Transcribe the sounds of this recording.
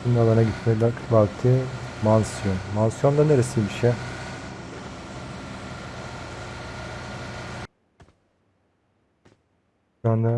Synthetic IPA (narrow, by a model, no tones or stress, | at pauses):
inʲalˠaɾnaɟit̪melʲakbakt̪ʰɯː | mansjonmansjond̪aneɾesibiʃɛ | ana